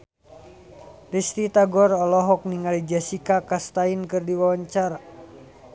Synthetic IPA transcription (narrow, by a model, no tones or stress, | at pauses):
rist̪it̪aɡɔɾɔlɔɦɔk̚niŋalid͡ʒasikakast̪ainkɨrdiwawaɲt͡ʃaɾa